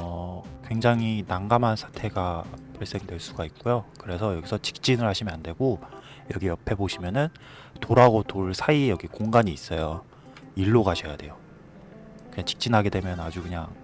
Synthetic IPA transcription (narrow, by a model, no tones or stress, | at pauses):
ʌkwe̞ŋd͡ʑaŋɦinaŋɡamansʰḁtʰe̞ɡapaɭs͈e̞ŋdwe̞ɭs͈uɡaik̚k͈ojokɯɾe̞sʰʌjʌɡisʰʌt͡ɕi̥k̚t͡ɕ͈inɯɭhaɕʰimjʌnande̞ɡo | jʌɡijʌpʰe̞boɕʰimjʌnɯn | toɾaɡotoɭsʰaijʌɡikoŋɡaɲiːs͈ʌjo | iɭːoɡaɕʰʌjade̞jo | kɯɲaŋt͡ɕi̥k̚t͡ɕ͈inɦaɡe̞dwe̞mjʌnad͡ʑukɯɲaŋ